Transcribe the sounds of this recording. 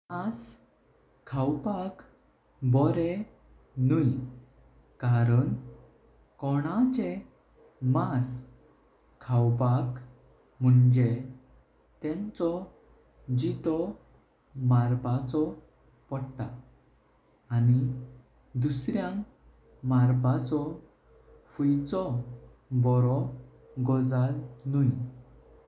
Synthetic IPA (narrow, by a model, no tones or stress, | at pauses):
as | kʰːawpak | bɔɾe | nuj | kaɾəɳ | kɔɽ̃at͡ɕe | mas | kʰːawpak | m̤əɳd͡ʑe | t̪ɛ̃nt͡sɔ | d͡ʑit̪ɔ | maɾbat͡sɔ | pɔɽt̪a | ani | d̪usɾjãŋ | maɾbat͡sɔ | fujt͡sɔ | bɔɾɔ | ɡɔd͡zalnuj